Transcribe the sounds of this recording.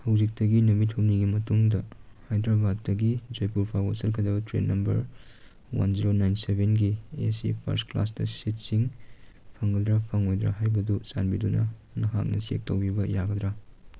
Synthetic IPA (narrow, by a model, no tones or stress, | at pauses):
hɐwzik̚tɐɡinɐmitʰomniɡimɐtuŋdɐhajd̪ɾabadːɐɡid͡ʒojpuɾpʰawasɐlkʰɐdɐbɐtɾḛnnːɐmbɐ̰ɾ | wa̰nziɾonajnsebʱenɡiesḭpʰɐ̰ɾskla̰sdɐsit̚siŋpʰɐŋɡɐdɾɐpʰɐŋojd̪ɾa̰ɦajbɐdusa̰nbidunɐ̰nɐɦa̰k̚nɐ̰siḛk̚tɐwbibɐjaɡɐd̪ɾa